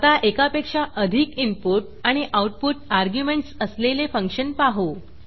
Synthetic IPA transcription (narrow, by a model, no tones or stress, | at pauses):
at̪aʔekapekʂaʔəd̪ʱikimpuʈ̚ | aɽ̃iʔawʈ̚puʈaɾɡjumeɳʈsəslelefəŋkʂənpaɦo